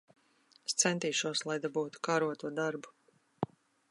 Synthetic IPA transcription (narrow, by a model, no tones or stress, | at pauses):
st̪sɛnt̪iːʃuɔslˠajd̪abuːt̪u̥kaɾuɔt̪uɔd̪aɾbu̥